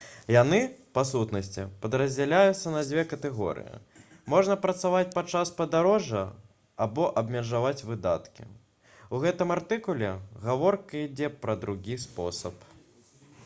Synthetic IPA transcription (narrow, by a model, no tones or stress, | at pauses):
janɨpasut̪nɐsʲt͡sʲḭpɐd̪ɾɐzʲd͡zʲɛlʲajut̪sːɐnɐd͡zʲvʲɛkɐt̪ɛɣɔ̰ɾɨ̰jḭ | mɔʐnɐpɾɐt̪savat͡sʲpat͡ʂaspɐd̪aɾɔʐɐ | abɔʔɐbmʲɛʐavat͡sʲvɨd̪at̪kʲḭ | uɣɛt̪ɨmart̪ɨkulʲɛɣavɔrkɐid͡zʲɛpɾɐd̪ɾuɣʲispɔ̰sɐp